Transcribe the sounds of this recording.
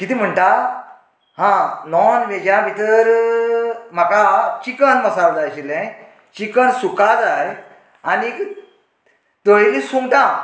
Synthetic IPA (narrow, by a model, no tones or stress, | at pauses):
kit̪ʰim̤əɳʈa | ɦãnɔnʋed͡ʑãbit̪əɾ | m̤akat͡ɕikənməsald͡zajt͡ɕilɛ̃ | t͡ɕikəɳsukad͡zaj | ani | t̪oelisuŋʈ̪ã